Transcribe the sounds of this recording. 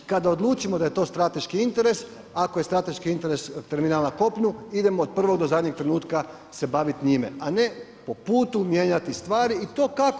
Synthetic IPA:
kad̪aod̪lˠuːt͡ʃimod̪aje̞t̪o̞ːst̪ɾat̪e̞ʃkiint̪e̞ɾe̞s | akoje̞st̪ɾat̪e̞ʃkiint̪e̞ɾe̞st̪eɾminaːlnako̞pɲuid̪e̞moːd̪̚pr̩ʋo̞ɡd̪ozad̪ɲek̚t̪ɾe̞nuːt̪ka | se̞baʋit̪ɲimḛane̞ | po̞puːt̪umje̞ːɲat̪ist̪ʋaːɾiːt̪o̞ːkak

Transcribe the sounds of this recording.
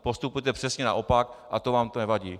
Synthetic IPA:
po̞st̪upujɛt̪ɛpr̥ɛsɲɛna̰ʔo̞pak̚ʔat̪ovaːmt̪onɛvaɟiː

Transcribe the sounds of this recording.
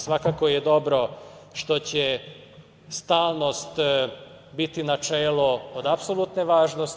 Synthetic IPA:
sʋakako̞jed̪o̞bɾo̞ʃt̪o̞t͡ɕe | st̪aːlˠno̞st̪ | bit̪inat͡ʃeːluod̪apsolˠut̪neʋaːʒnos

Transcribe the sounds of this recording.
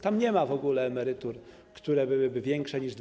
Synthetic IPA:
t̪amɲɛmavɔɡulɛːmɛɾɘt̪uɾ | kt̪uɾɛbɘwɘbɘvʲjɛŋkʂɛɲiʐd̪

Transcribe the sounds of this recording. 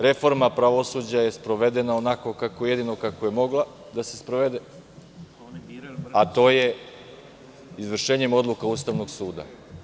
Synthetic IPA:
ɾe̞fo̞ɾmapɾaʋo̞suːd͡ʑaje̞spɾo̞ʋe̞d̪e̞naonako̞kakoje̞d̪ino̞kako̞je̞mo̞ɡlˠa | d̪ase̞spɾoʋe̞d̪e | at̪o̞ːje̞ | izʋr̩ʃeːɲemo̞d̪lˠukauːst̪aʋno̞ɡsuːd̪a̰

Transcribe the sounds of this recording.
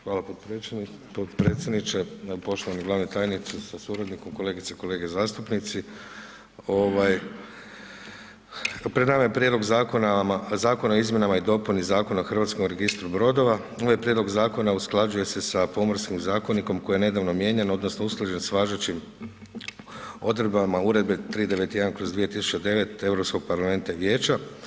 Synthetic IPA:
xʋaːlap | od̪pɾeːt̪sʲjed̪nit͡ʃepo̞ʃt̪oʋaniɡlˠaːʋnet̪aːjnit̪susasuɾad̪niko̞mko̞le̞ːɡit̪seko̞le̞ːɡezaːst̪upnit̪si | o̞ʋaj | pɾed̪namaje̞pɾʲje̞d̪lo̞ɡzakonazaːko̞naoizmje̞namaid̪o̞punizaːko̞naoxr̩ʋat̪skomɾe̞ɡist̪ɾubɾo̞d̪o̞ʋa | oʋajepɾje̞d̪lo̞ɡzaːko̞nausklˠad͡ʒuje̞se̞sapo̞moɾskimzaːko̞niko̞mko̞jjene̞d̪aʋnomje̞ːɲeno̞d̪no̞snousklˠaʒe̞nsʋaːʒet͡ɕim | o̞d̪ɾed̪bamauɾe̞d̪̚be̞t̪ɾiːd̪e̞ʋe̞t̪je̞d̪ankɾo̞zd̪ʋije̞t̪isu̥t͡ʃed̪e̞ʋe̞t̪e̞ʋɾo̞psko̞ɡ̥̚paɾlame̞nt̪aʋjeːt͡ʃa

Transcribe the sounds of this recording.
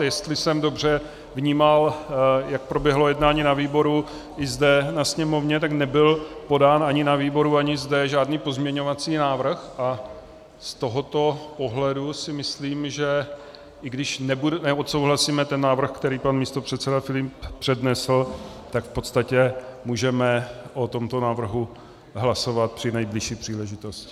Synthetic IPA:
jɛst̪lɪsɛmdo̞br̝ɛ | vɲiːmaljak̚pɾobjɛɦlo̞jɛdnaːɲiːnaviːbo̞ɾu | ʔɪzdɛnasɲɛmo̞vɲɛt̪̬aknɛbɪlpo̞daːnaɲɪnaviːbo̞ɾuaɲɪzdɛʒaːdniːpo̞zmɲɛɲo̞vat͡siːnaːvr̩xʔa | st̪o̞ɦo̞t̪o̞poɦlɛdusɪmɪsliːmʒɛ | ʔɪɡdɪʃnɛbudɛnɛot̪sowɦlasiːmɛt̪ɛnːaːvr̩xkt̪ɛɾiːpanmiːst̪o̞pr̝̥ɛt̪sɛdafɪlɪpːr̝̥ɛdnɛsl̩ | t̪akfpo̞t̪st̪acɛmuːʒɛmɛʔo̞t̪o̞mt̪o̞naːvr̩ɦu | ɦlaso̞vat̪̚pr̝̥ɪnɛjblɪʃiːpr̝̥iːlɛʒɪt̪o̞scɪ̥

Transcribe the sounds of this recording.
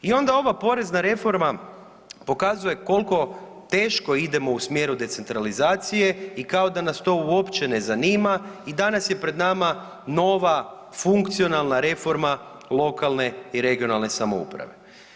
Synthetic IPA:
io̞nd̪ao̞ʋapo̞ɾe̞znaɾe̞fo̞ɾma | po̞kazuje̞ko̞lˠko̞ | t̪e̞ːʃko̞id̪e̞mo̞usmje̞ɾud̪e̞t̪se̞nt̪ɾalizaːt̪sije̞ikao̞d̪anast̪o̞uo̞pt͡ɕe̞ne̞zaniːmaid̪anasje̞pɾe̞d̪nama | no̞ʋa | fuŋkt̪sio̞nalˠnaɾe̞fo̞ɾma | lˠo̞kalˠne̞iɾe̞ɡio̞nalˠne̞samo̞̰ṵpɾa̰ʋe̞̰

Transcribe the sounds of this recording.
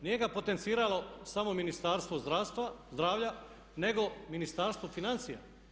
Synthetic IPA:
nije̞ɡapo̞t̪ent̪siːɾalo̞samo̞minist̪aɾst̪ʋozd̪ɾaːst̪ʋazd̪ɾaːʋʎa | ne̞ɡo̞minist̪aɾst̪ʋo̞finansija̰

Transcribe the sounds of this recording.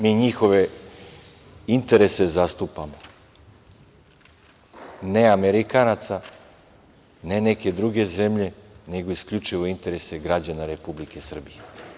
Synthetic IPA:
miːɲixo̞ʋe̞ | int̪e̞ɾe̞sezast̪upamo | ne̞ame̞ɾikanat̪sa | ne̞ne̞ke̞d̪ɾuɡe̞zemʎe̞ne̞ɡo̞iskʎut͡ʂiʋo̞int̪e̞ɾe̞se̞ɡɾad͡ʑanaɾe̞publike̞sr̩bije

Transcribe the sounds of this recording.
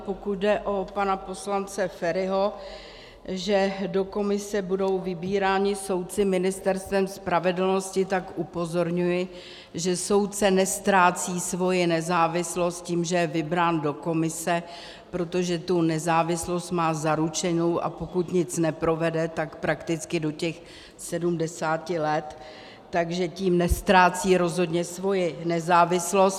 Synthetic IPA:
pokut̪̚dɛʔo̞panapo̞slant͡sɛfɛɾɪɦo̞ | ʒɛdo̞ko̞mɪsɛbudo̞wvɪbiːɾaːɲɪso̞wt̪̚t͡sɪmɪnɪst̪ɛɾst̪vɛmspɾavɛdl̩no̞scɪt̪akʔupo̞zo̞ɾɲujɪ | ʒɛso̞wt̪̚t͡sɛnɛst̪ɾaːt͡siːsvo̞jɪnɛzaːvɪslo̞st̪̚ciːmʒɛjɛvɪbɾaːndo̞ko̞mɪsɛ | pɾo̞t̪oʒɛt̪unɛzaːvɪslo̞st̪maːzaɾut͡ʃɛnowʔa̰po̞kut̪ɲɪt͡snɛpɾo̞vɛdɛt̪akpɾakt̪ɪt͡skɪdo̞cɛx | sɛdumdɛsaːcɪlɛt̪ː | aɡʒɛciːmnɛst̪ɾaːt͡siːɾo̞zɦo̞dɲɛsvo̞jɪnɛzaːvɪslo̞st̪

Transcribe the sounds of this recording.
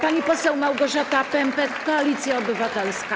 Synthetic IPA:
paɲipɔsɛwmawɡɔʐat̪apɛɛmpɛkːɔalʲit̪sʲjaɔbɘvat̪ɛlska

